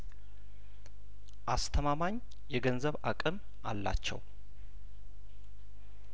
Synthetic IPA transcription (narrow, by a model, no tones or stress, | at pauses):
ʔast̪ʰəmamaɲ | jɛɡənzəβakʼɨm | ʔalːa̰t͡ʃːɛ̰w